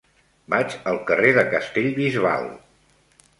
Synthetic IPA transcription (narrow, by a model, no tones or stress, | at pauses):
bat͡ʃəlˠkəreðəkəst̪eʎβizβa̰lˠ